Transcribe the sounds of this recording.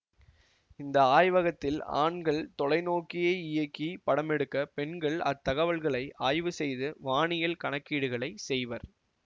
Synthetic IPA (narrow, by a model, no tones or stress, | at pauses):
ɪnd̪ɐaːjʋɐɣɐt̪ːɪla̰ːɳɡɐɭt̪ɔlɐɪnoːkɪjeːɪjɐkːipɐɽɐmɛɽɯkːɐpɛɳɡɐɭɐt̪ːɐɣɐʋɐɭɣɐɭɐɪʔaːjʋɯsɛjðɯʋaːɳɪjɐlkɐɳɐkːiːɽɯɣɐɭɐɪsɛjʋɐɾ